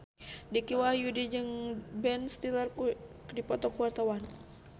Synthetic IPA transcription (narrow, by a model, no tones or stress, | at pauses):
dikiwajudid͡ʒɨŋbɛnst̪ilər | dipɔt̪ɔkuwart̪awan